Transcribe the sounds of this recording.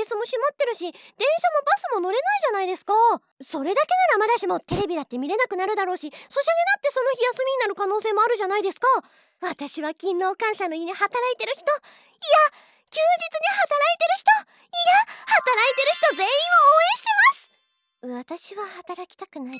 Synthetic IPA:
esɨmo̞ɕimot̪ːe̞ɾɯ̟ɕid̪̥ẽ̞ɰ̃ɕamo̞basɨmo̞no̞ɾe̞naiʑanaid̪e̞sɨ̥ka | so̞ɾe̞d̪ake̞naɾamad̪aɕimo̞t̪e̞ɾe̞bʲid̪at̪ːe̞mʲiɾe̞nakɯ̟naɾɯ̟d̪aɾo̞ːɕiso̞ɕaɲinat̪ːe̞so̞no̞çijasɨmʲiɲ̟inaɾɯ̟kano̞ːse̞ːmo̞aɾɯ̟ʑanaid̪e̞sɨ̥ka | βat̪aɕiβakʲĩnːo̞ːkãɰ̃ɕano̞iɲ̟ihat̪aɾait̪e̞ɾɯ̟çi̥t̪o̞ | ija | kʲɨːd͡ʑit͡sɨɲ̟ihat̪aɾait̪e̞ɾɯ̟çi̥t̪o̞ | ijahat̪aɾait̪e̞ɾɯ̟çi̥t̪o̞ze̞ĩmooːẽ̞ɕi̥t̪e̞masɨ̥ | βat̪aɕiβahat̪aɾakʲi̥t̪akɯ̟nai

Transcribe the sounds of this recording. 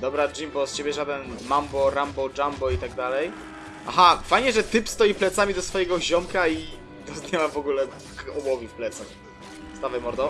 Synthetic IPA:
d̪ɔbɾad͡ʑimbɔst͡ɕebʲjɛʐad̪ɛnmambɔɾambɔd͡ʐambɔit̪aɡd̪alɛj | a̰ɦafajɲɛʐɛt̪ɘpst̪ɔjiplɛt̪samʲid̪ɔsfɔjɛɡɔʑɔmkai | d̪ɔzd̪ɲɛwavɔɡulɛ | kɔbɔvʲifplɛt̪sax | st̪avajmɔɾd̪ɔ

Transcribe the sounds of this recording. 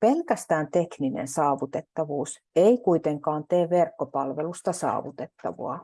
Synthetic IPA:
pelkæst̪æːnt̪ekninḛnsɑːʋut̪et̪ːɑʋuːs | eikuit̪eŋkɑːnt̪eːʋʋerkːopɑlʋelust̪ɑsɑ̰ːʋut̪et̪ːɑ̰ʋo̰ɑ

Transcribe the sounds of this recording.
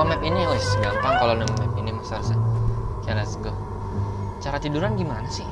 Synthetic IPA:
amɛp̚iniʊsɡaŋt̪aŋkalonəŋamɛp̚inimasaɾusakaɾasəɡɔ | t͡ʃaɾat̪iduɾanɡimanasɪ

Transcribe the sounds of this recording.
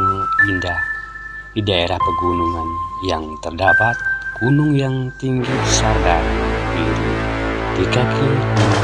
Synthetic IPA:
indah | didaeɾahpəɡunuŋanjaŋt̪ərdapat̪̚ɡ̥unʊŋjaŋt̪iŋɡisardabiɾid̥ikakʰi

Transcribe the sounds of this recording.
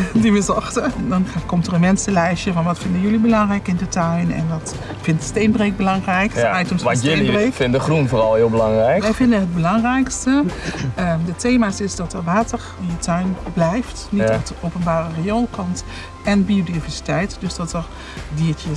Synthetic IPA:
diʋəzɔxtədɔnkɔmtərənmɛnsəlɛjʃjəvɔnʋɔtfɪndəjølibəlɑŋrɛjkɪndətʰœɥnɛ̰ndɔt | fɪntəstenbrek̚bəlɑŋrɛjkajtəmsnbrekɪnəχrunfoːrɑlˠhɪːlˠbəlɑŋrɛjkɛjfɪndənɦəd̚bəlɑŋrɛjkstəədəteːmaːsɪsdɔtərʋaːtər | ɪnjətʰœɥnblɛjftniɔtəowpənbaːrərejolˠkʰɔnt | ɛnbiodivɛɹsi̥tɛjtdøsdɔtəɹ | diːtə

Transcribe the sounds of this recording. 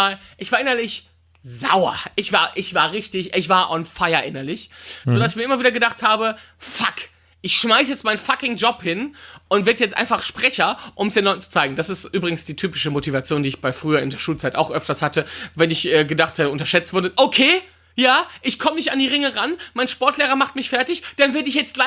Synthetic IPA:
aːlʔɪçv̥aːɐʔɪnɐlɪç | zaʊɐ̰ʔɪçv̥aːɐʔɪçv̥aːɐʁɪçtɪçʔɪçv̥aːɐʔɔnfaɪɐʔɪnɐlɪçzoːdasɪçmiːɐɪmɐviːdɐɡədaχthaːbə | fak | ʔɪçʃmaɪsjɛt͡stmaɪnfakɪŋd͡ʒɔphɪnʔʊntv̥eɐdəjɛt͡stʔaɪnfaχʃpʁ̥ɛçɐʔʊmsd̥eːnlɔʏn̩t͡su̥t͡saɪɡŋ̩d̥asɪstʔyːbʁɪɡŋ̩sd̥iːtʰyːpɪʃəmotivat͡sjoːndiːɪçb̥aɪfʁ̥yːɐɪndeːɐʃuːlt͡saɪta̰ʊxʔœftɐshatəvɛnɪçʔɛːɡədaχtvɛtəʊntɐʃɛt͡stv̥ʊɐdəʔokʰeː | jaːʔɪçkʰɔmənɪçtandiːʁɪŋəʁanmaɪnʃpɔɐtʰleːʁɐmaχt̚mɪçfɛɐtɪçd̥anvɛɐdəɪçjɛt͡stla

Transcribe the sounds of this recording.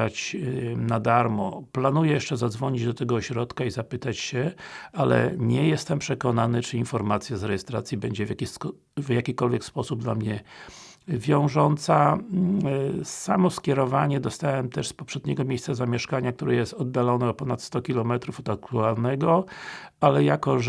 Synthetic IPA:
at͡ɕnad̪aɾmɔ̰planujɛjɛʂt͡ʂɛzad̪zvɔɲid͡ʑd̪ɔt̪ɛɡɔːɕɾɔt̪kaizapɘt̪at͡ɕɕɛalɛ̰ɲɛjɛst̪ɛmpʂɛkɔnanɘt͡ʂɘinfɔɾmat̪sʲjazɾɛjɛst̪ɾa̰t̪sʲjibɛɲd͡ʑɛvjakʲi | vjakʲikɔlvʲjɛkspɔsub̚d̪lamɲɛ | vʲjɔ̃w̃ʐɔnt̪sa | samɔskʲjɛɾɔvaɲɛd̪ɔst̪awɛmt̪ɛʂspɔpʂɛd̪ɲɛɡɔmʲejst̪sazamʲjɛʂkaɲak̚t̪uɾɘjɛst̪ɔd̪̚d̪alɔnɛɔpɔnat̪st̪ɔkʲilɔmɛt̪ɾufɔd̪akluaɾnɛɡɔalɛjakɔʐ

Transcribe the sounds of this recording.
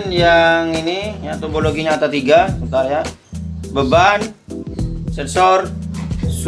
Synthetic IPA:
njaŋinijat̪oboloɡiɲaːt̪at̪iɡaət̪aɾaja | bəban | sɛnsɔrs

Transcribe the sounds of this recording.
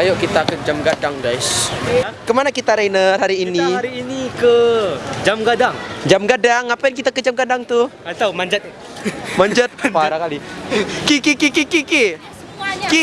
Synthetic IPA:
ajoʔkit̪akəd͡ʒamɡadaŋɡajs | kəmanakit̪aɾejnərɦaɾiːniɾiinikəd͡ʒamɡadaŋd͡ʒamɡadaŋapaɪnk̬it̪akəd͡ʒamɡadaŋt̪u | at̪awmaɲd͡ʒat̪̚ | maɲd͡ʒat̪̚paɾakalikikikikikiki | ki

